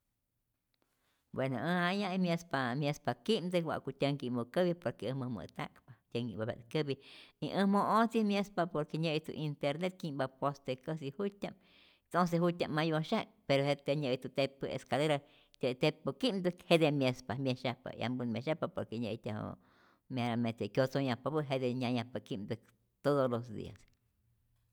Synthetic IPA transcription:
bwenoəajãimʲjespamjespakimd̪ɨwa̰ʔkut̪ʲaŋkimokəβipoɾkeɨmɨmɨ̰t̪a̰kpat̪ʲaŋibaba̰t̪kɨbiiʔəmoot͡simjespapoɾkeɲəjt̪ṵʔint̪eɾnet̪̚kimbapost̪ekəsihutʲam | t̪ons̬ehut̪ʲamːajoʃakpeɾohet̪eɲəjt̪ut̪epɨḛskaleɾa | t̪ʲat̪epɨkimd̪ɨkhed̪emjespamjeʃapa̰a̰mbɨnmʲjeʃapapoɾkeɲət̪ʲaho̰ | meɾamet̪ekjot͡soɲapabɨʔɦed̪eɲajapakimd̪ɨk | t̪od̪olosd̪ḭa̰s

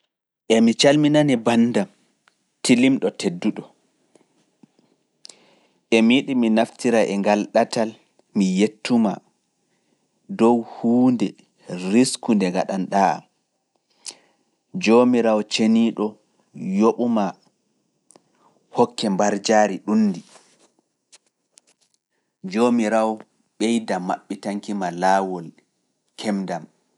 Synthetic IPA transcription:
ʔɛmit͡ʃalminanibanːdam | tilimɗɔtʰedːuɗɔ | ʔɛmiɗiminaftiɾaʔɛŋɡalɗatal | mijetːuma̰ | dɔwhuːndɛ | ɾiskundɛɡaɗanɗaa̰m | d͡ʒomiɾawt͡ʃeniɗɔ | joɓuma | hɔkːɛmbaɾd͡ʒaːɾiɗunːdi | d͡ʒomiɾaw | ɓɛjdama̰ɓːitaŋkimalaːwɔl | kʰɛmdam

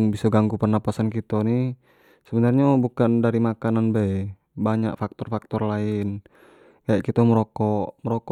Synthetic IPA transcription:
ŋbisɔɡaŋɡupənapasankit̪ɔni | səbənarɲabukandaɾimakananbɛ | baɲa̰ʔfak̚t̪ɔrfak̚t̪ɔrlaɪn | kajaʔkit̪ɔməɾɔkɔʔməɾɔkɔ

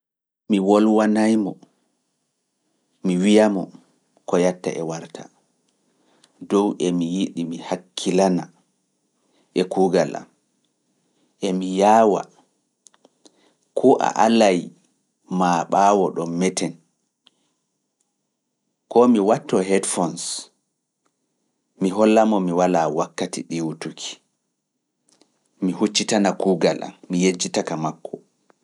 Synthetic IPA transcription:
miwɔlwanajmɔ | miwijamɔ | kɔjatːa̰ʔɛwaɾtʰa̰ | dɔwʔɛmijiɗimihakʰːilana | ʔɛkuɡala̰m | ʔɛmijaːwa̰ | kʰɔʔa̰ʔalaj | maɓaːwɔɗɔmːɛtɛn | kɔmiwatːɔɦɛdfɔns | miɦɔlːamɔmiwalawakːatḭɗiwutukʰi̥ | mihut͡ʃːitanakuːɡalʔa̰mijed͡ʒitakamakːɔ

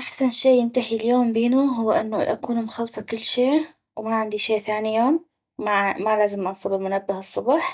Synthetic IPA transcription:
ʔaxsanʃeːjɪnt̪aħiljoːmbiːnuɦʊwːʔɪnːaʔa̰kuːnmʊxɑlːsˤɑkɪlːʃeː | wmaʕɪnd̪iʃeːʔθaːnijoːm | mamalaːzɪmʔɑnsˤɨbɪlmʊnabːɪhɨsˤːʊbɑːħ

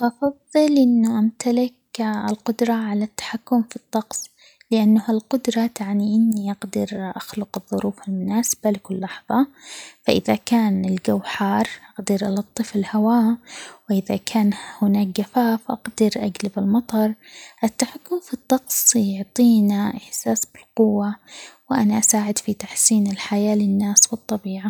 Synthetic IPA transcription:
ʔɑfɑðˤːɨlʔɪnːʊʔamt̪alɪk | ɪlqʊd̪ɾˤɑʕalat̪ːḁħakːʊmfit̪ˤːɑqsˤ | lɪʔanːahalqʊd̪ɾˤɑt̪aʕniʔɪnːiʔɑɡd̪ɪɾʔaxlʊqɨðˤːʊɾuːfɪlmʊnaːsɪ̥b̥alkʊlːɑħðˤɑfaʔɪðakaːnɪlɡawħɑːɾˤʔɑɡd̪ɑɾʔɑlɑt̪ˤːɨfɪlhawaːwɪʔɪðakʰaːnhʊnaːk̚ɡafaːfʔɑ̰qd̪ɪɾʔaɡlabɪlmɑt̪ˤɑɾˤʔɪt̪ːaħakːʊmfit̪ˤːɑqsˤjʊʕt̪ˤiːnaʔɪħsaːsbɪlqʊwːawɪʔanaʔasaːʕɪd̪fit̪aħsiːnɪlħajaːlɪnːaːswɨt̪ˤːɑbiːʕa

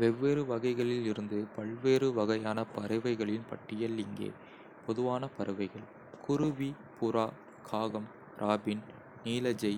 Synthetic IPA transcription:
ʋɛʋːeːɾɯʋɐɣɐɪɣɐɭɪlɪɾɯnd̪ɯpɐɭʋeːɾɯʋɐɣɐjaːnɐpɐɾɐʋɐɪɣɐɭɪnpɐ̰ʈːɪjɐlɪŋɡḛː | pɔðɯʋaːnɐpɐɾɐʋɐɪɣɐɭ | kʰʊɾɯʋi | pʊɾaː | kʰaːɣɐm | ɾʔaːbɪn | niːlɐd͡ʒɐɪ

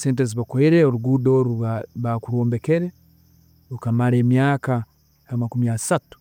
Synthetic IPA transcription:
seːnt̬eziβakoiɾeoɾuɡuːdoɾuaβakuɾoːmbe̞ke̞ɾe | ukamaɾe̞ːmjaːka | amakumiasatu̥

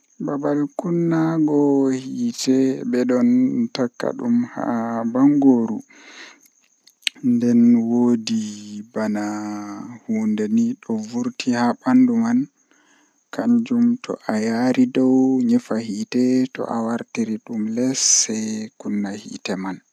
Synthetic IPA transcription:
babalkunːaɡɔhiːtɛbɛɗɔntakːa̰ɗumha̰baŋɡoɾṵ | ndɛnwodibana | huːndeniɗɔvuɾtihaɓanduman | kʰaɲd͡ʒumtɔ̰ʔajaɾidɔwɲɛfahiːtɛtɔ̰ʔawaɾtiɾiɗumlɛsːɛkunːahḭːtɛman

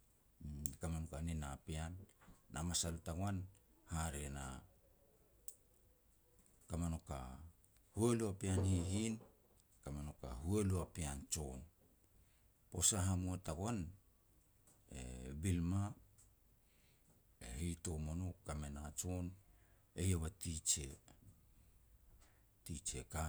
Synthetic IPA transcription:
kamanokaninapianːamasalutaɡoanhaɾena̰ | kamano̞ka̰ | hueluapianhiɦin | kamano̞ka̰hueluapiant͡ʃo̞n | po̞saɦamuataɡoan | ḛbilma | ehijto̞monokamenat͡ʃon | ejaβatit͡ʃe | tit͡ʃe̞ka

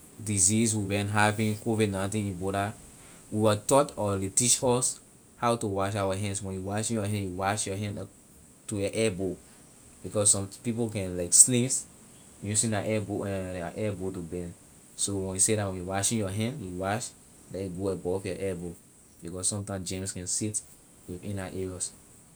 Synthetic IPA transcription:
diziswibɛ̃nɦapĩkovidnãtĩnĩbɔɾa | wiwatɔtɔletit͡ʃɔs | hawtuwaʃ̬awaɦɛ̃nswɛ̃njuwaʃĩnjɔɦɛ̃njuwaʃjɔɦɛ̃n | tujɔʔɛbo | b̥ikɔssɔ̃mpipokɛ̃nlaɪkslĩs | wɛ̃jusĩndaʔɛboɛ̃aʔɛbotubɛn | sowɛ̃njusedatwɛ̃nuwaʃĩnjɔɦɛ̃ndjuwaʃ | dɛjuɡoɛbɔfjɔʔɛbo | bikɔsːɔ̃mtãɪ̃md͡ʒẽmskɛ̃nsit | wiðĩnaʔɛɹɔs

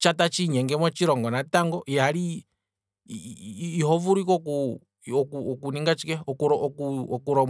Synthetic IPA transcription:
t͡ʃatat͡ʃiɲɛŋɡɛmɔt͡ʃiɾɔŋɡɔnataŋɡɔjaɾi | ɦɔvuɾikɔku | ɔkuɔkuniŋɡat͡ʃikɛɔkuɾɔɔkuɔkuɾɔm

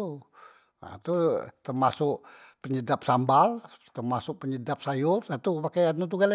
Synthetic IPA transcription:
a̰t̪ut̪ərmasʊʔpəɲədap̚sambalt̪ərmasʊʔ̚pəɲədap̚sajʊrat̪upakajanut̪̬uɡala

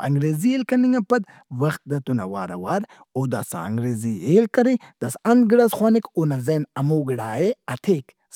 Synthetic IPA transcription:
ɐ̰ŋɡɾeːzielkɐniŋɐpɐd̪ | wɐxt̪̚d̪ɐt̪unɐ̰waːɾɐ̰waːɾ | oːd̪a̰ːsa̰ɐ̰ŋɡɾeːzielkɐɾid̪̥asɐnd̪̚ɡiɽasxwaːnikoːnɐzɐnɐmoːɡiɽaːeɐt̪ʰeːk | s

